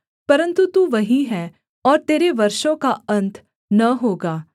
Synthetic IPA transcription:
pɐɾə̃nt̪ut̪uːʋɐɦĩɦɛː | ɔːɾt̪eːɾeʋɐɾʃõkaɐ̃nt̪ʰ | nɐɦoːɡaː

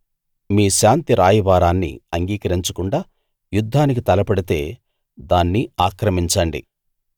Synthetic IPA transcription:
miːʃaːnt̪iɾaːjiʋaːɾaːnːḭɐŋɡiːkɐɾiɲt͡ʃɐkuɳɖaː | jud̪ʱːaːnik̬it̪ɐlɐpɐɽit̪e̞ː | d̪aːnːiaːkɾɐmiɲt͡ʃɐɳɖḭ

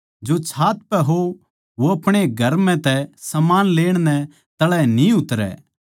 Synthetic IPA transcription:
d͡ʒot͡ʃʰaːt̪̚pɛɦo | ʋoɐpɽ̃eɡʱɐɾmɛ̃t̪ɛsɐmaːnleːɽ̃nɛ̃ | t̪ɐɭɛnĩʊt̪ɾɛ̰ː

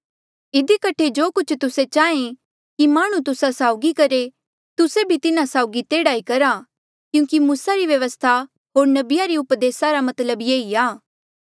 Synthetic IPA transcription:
ɪd̪ikəʈʰed͡ʒoːkʊt͡ʃʰt̪ʊset͡ʃaːẽ | kimaːɽ̃ũt̪ʊsasaːʊɡikɐɾe | t̪ʊsebʱit̪ɪnasaːʊɡit̪eːɽaːikɐɾa | kjũːkimuːsaɾiʋjɐʋəst̪ʰa | ɦoːɾnɐbɪjaɾiʊpd̪eːsaɾamɐt̪ləbjeːiaː

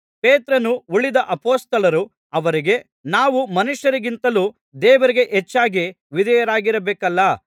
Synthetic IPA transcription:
peːt̪ɾɐnuuɭid̪ɐʔɐpoːst̪ɐlɐɾu | ɐʋɐɾiɡe̞ | naːʋumɐnuʃjɐɾiɡint̪ɐluː | d̪ɛːʋɐɾiɡe̞ʔet͡ʃːaːɡi | ʋid̪ɐjɐɾaːɡiɾɐbeːkɐlːɐ

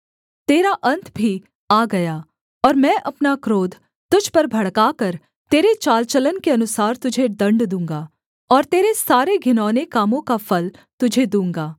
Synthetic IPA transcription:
t̪eːɾaʔɐ̃nt̪ʰbʱi | aːɡɐjaː | ɔːɾmɛ̃ːʔɐpnakɾoːd̪ʱ | t̪ʊd͡ʒʱpɐɾbʱɐɽkaːkɐɾ | t̪eːɾet͡ʃaːlt͡ʃələnkeɐnʊsaːɾt̪ʊd͡ʒʱed̪ɐ̃ɳɖd̪ũːŋɡaː | ɔːɾt̪eːɾesaːɾeɡʱɪnɔːnekaːmõkafɐlt̪ʊd͡ʒʱed̪ũːŋɡaː

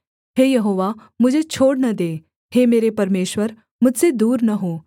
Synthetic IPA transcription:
ɦeːjɐɦoːʋa | mʊd͡ʒʱet͡ʃʰoːɽnɐd̪eː | heːmeːɾepɐɾmeːʃʋəɾ | mʊd͡ʒʱsed̪uːɾnɐɦoː

